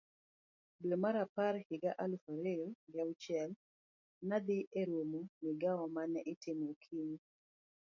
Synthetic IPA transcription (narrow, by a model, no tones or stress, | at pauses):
bomaɾapaɾhɪɡaʔalufaɾeoɡaut͡ʃjɛl | nad̪ɪʔeɾomomɪɡawɔmanɛʔɪtemokʰiɲ